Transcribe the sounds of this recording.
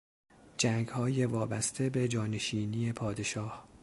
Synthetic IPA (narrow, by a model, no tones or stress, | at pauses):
d͡ʒæŋɡhɒːje̞vɒːbæst̪ʰe̞be̞d͡ʒɒːneʃiːnije̞pʰɒːd̪e̞ʃɒːh